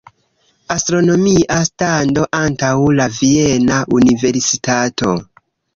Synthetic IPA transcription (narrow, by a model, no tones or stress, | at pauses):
astɾo̞no̞miʔastando̞ʔantawlavienaʔunive̞ɾsitato̞